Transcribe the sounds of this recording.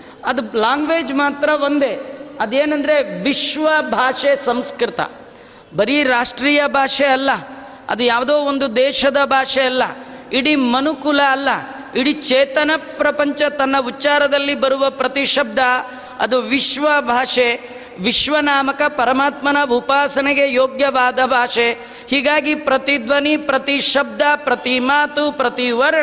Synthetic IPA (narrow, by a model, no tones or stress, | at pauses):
ɐd̪ulaːŋɡʋeːd͡ʒmaːt̪ɾɐʋond̪eɐd̪eːnɐnd̪ɐɾeʋiʃʋɐbʱaːʂesɐmskɾit̪ɐ̰ | bɐɾiɾaːʂʈɾiːjɐbʱaːʂeɐlːɐ | ɐ̰d̪ujaːʋd̪oːond̪ud̪ɛːʃɐd̪ɐbʱaːʂeɐlːɐiɽimɐnukulɐːlːɐ | iɽit͡ʃeːt̪ɐnɐpɾɐpɐɲt͡ʃɐt̪ɐnːɐut͡ʃaːɾɐd̪ɐlːibɐɾuʋɐpɾɐt̪iʃɐb̚d̪ʱɐ | ɐ̰d̪uʋiʃʋɐbʱaːʂe | ʋiʃʋɐnaːmɐkɐpɐɾɐmaːt̪mɐnɐʋʱupaːsɐneɡejoːɡjɐʋaːd̪ɐbʱaːʂe | hiːɡaːɡipɾɐt̪id̪ʋɐnipɾɐt̪iʃɐb̚d̪ʱapɾɐt̪imaːt̪upɾɐt̪iʋɐɾɐɳɐ